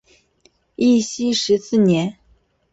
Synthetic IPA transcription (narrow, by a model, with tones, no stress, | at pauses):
i˥˩ɕi˥ʂɻ̩˧˥sɹ̩˥˩njɛ˧˥n